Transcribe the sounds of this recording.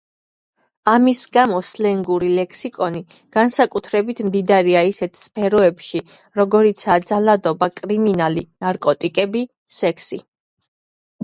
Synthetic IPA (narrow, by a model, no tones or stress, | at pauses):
amisɡamɔslɛŋɡuɾilɛkʰsikʼɔniɡ̥ansakʼut̪ʰɾɛbit̪ʰmd̪id̪aɾiaisɛt̪ʰspʰɛɾɔɛpʃi | ɾɔɡɔɾit̪sʰad̪zalad̪ɔbakʼɾiminalinaɾkʼɔt̪ʼikʼɛbi | sɛkʰsi